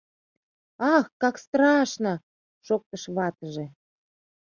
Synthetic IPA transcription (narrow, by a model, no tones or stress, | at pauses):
ɑxkɑkst̪ɾɑʃnə | ʃok̚t̪əʃβɑt̪əʒe